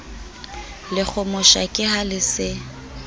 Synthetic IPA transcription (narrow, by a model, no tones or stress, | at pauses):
lɪk͡xʰʊmʊʃa̰kʼɪhalɪsɪ